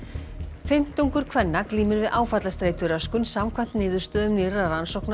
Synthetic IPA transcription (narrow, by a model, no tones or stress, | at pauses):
fɪm̥t̪uŋkʏɾ̥kʰvɛnːakliːmʏɾvɪðʔaːwfat̪last̪ɾeːjt̪ʏɾaskʏnsamkʰvan̥t̪nɪːðʏɾ̥st̪œːðʏmniɾaɾansowkna